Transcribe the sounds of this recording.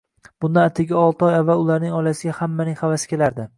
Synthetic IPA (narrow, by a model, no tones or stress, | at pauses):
b̥ʊnd̪anat̪ʰɪɡʲaɒlˠt̪ɒjavːalʊlaɾnɪŋɒlasɪɡʲahamːanɪŋʲhavasɪ̥kʲʰe̞laɾd̪ɪ